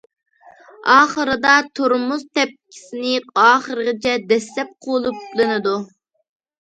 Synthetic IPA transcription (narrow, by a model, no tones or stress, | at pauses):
ɑːχəɾɨd̪ɑt̪ʰoɾmust̪ʰɛp̚kʲʰi̥sɪnɪɑːχəɾɨʁɪt͡ʃʰɛd̪ɛslɛp̚qʰolˠuplˠɨnɨd̪u